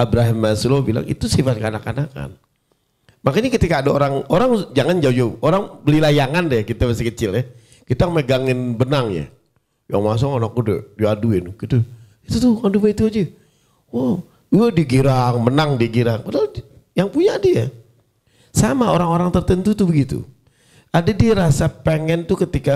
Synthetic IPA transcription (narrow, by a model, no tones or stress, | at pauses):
abɾaɦɪmːasulobila̰ŋḭt̪usifat̪̚kəanakanaka̰n | makaɲikət̪ikaːdaoɾaŋoɾaŋd͡ʒaŋand͡ʒaud͡ʒauʔoɾaŋbəlilajaŋandɛkit̪aməsikət͡ʃɪlɛ | kit̪aməɡaŋɪnbənaŋja̰ | ja̰ŋmas̬ʊkanak̚udɛ̰diaduɪnɡit̪u | it̪ut̪ʊŋadumait̪uad͡ʒɛ | wah | adiɡiɾaŋmənaŋdiɡiɾaŋbəda | jaŋpuɲadia | samaoɾaŋoɾaŋt̪ərt̪ənt̪ut̪ubəɡit̪ṵ | adadiɾasapeŋɛnt̪ʊkət̪ika